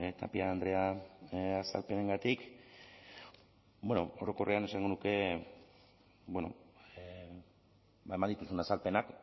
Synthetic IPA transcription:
t̪a̰piaːnd̪ɾe̞a | asa̰lpe̞ne̞ŋɡat̪ik | bwe̞nooɾo̞ko̞reane̞saŋɡo̞nuke̞ | bweno̞̰ | aemand̪it̪usunasalpe̞nak

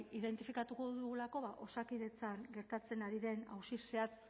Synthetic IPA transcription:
iðe̞nt̪ifikat̪uko̞ðuɣulako̞βaʔo̞sakiðe̞t͡saŋɡe̞ɾt̪at͡se̞naɾiðe̞na̰wsise̞at͡s

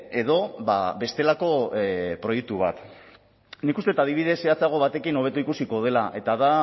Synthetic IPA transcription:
e̞ðo̞ba̰be̞st̪e̞lako̞pɾo̞jek̚t̪uβ̞a̰t̪ | nikust̪e̞t̪aðiβiðe̞seat͡saɣ̞o̞βat̪e̞kino̞β̞e̞t̪uikusiko̞ð̞e̞laʔe̞t̪aða

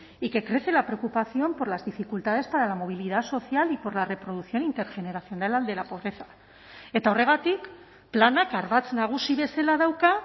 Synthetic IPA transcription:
ike̞kɾe̞θe̞lapɾe̞okupaθjo̞mpo̞ɾlazðifikult̪að̞e̞spaɾalamo̞β̞ilið̞aso̞θjalipo̞ɾlare̞pɾo̞ð̞uθjo̞nint̪e̞ɾʝe̞ne̞ɾaθjo̞nalald̪e̞lapo̞β̞ɾe̞θḁ | e̞t̪ao̞re̞ɣ̞at̪ik | planakaɾβat͡snaɣ̞usiβ̞e̞selað̞awka

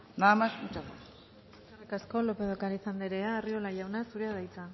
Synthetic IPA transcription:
naamasut͡ʃat̪a | ekarekasko̞lo̞pe̞ð̞okaɾisand̪eɾeaːrio̞laʝawnasuɾeaðajt͡sa

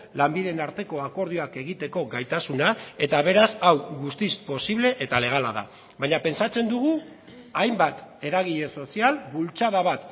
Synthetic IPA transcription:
lambiðenaɾt̪e̞ko̞ako̞ɾð̞ioake̞ɣ̞it̪e̞ko̞ɣajt̪asunae̞t̪aβ̞e̞ɾasawɣust̪ispo̞siβle̞ʔet̪ale̞ɣ̞ala̰ða̰ | βajɲape̞nsat͡se̞nd̪uɣ̞u | ajmbat̪e̞ɾaɣiʎe̞so̞sialbult͡saðaβat̪

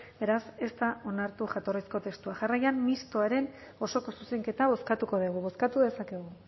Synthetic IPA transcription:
be̞ɾase̞st̪ao̞naɾt̪uʝat̪o̞risko̞t̪e̞st̪uaʝarajammist̪o̞aɾe̞n | o̞so̞ko̞suse̞ŋke̞t̪aβ̞o̞skat̪uko̞ðiɣ̞uβo̞skat̪uðe̞sake̞ɣu

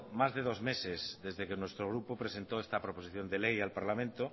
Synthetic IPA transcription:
mazðe̞ð̞o̞zme̞sezðe̞zðekenwe̞st̪ɾoɣ̞ɾupopɾese̞nt̪oest̪apɾoposiθjo̞nd̪e̞lejalpaɾlamẽnt̪o

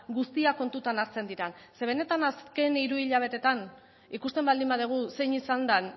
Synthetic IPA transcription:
ɡust̪iako̞nt̪ut̪anaɾt͡se̞nd̪iɾanse̞β̞e̞ne̞t̪anaske̞niɾuiʎaβ̞e̞t̪e̞t̪an | ikust̪e̞mbald̪imbaðiɣ̞use̞jɲisand̪an

